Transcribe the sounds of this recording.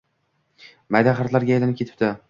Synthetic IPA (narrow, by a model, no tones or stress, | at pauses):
majd̪aχaɾt̪laɾɡʲajlanɪp̚kʰʲe̞t̪ʰɪ̥pt̪ɪ